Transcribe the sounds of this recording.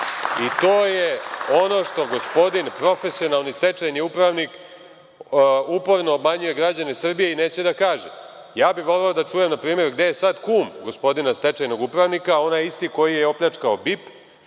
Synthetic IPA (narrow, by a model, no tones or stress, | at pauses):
it̪oːjeo̞no̞ʃt̪o̞ɡo̞spo̞d̪inpɾo̞fe̞sio̞nalˠnist̪e̞t͡ʃajniupɾaʋnik | upo̞ɾno̞ːbmaɲuje̞ɡɾad͡ʑanesr̩bijeine̞ːt͡ɕe̞d̪akaːʒe | jaːbiʋo̞leod̪at͡ʂuːje̞mnapɾiːme̞ɾɡd̪e̞jesad̪kuːmɡospo̞d̪inast̪et͡ʃajno̞ɡupɾaʋnikao̞najist̪iko̞jijeo̞pʎat͡ʂkaobip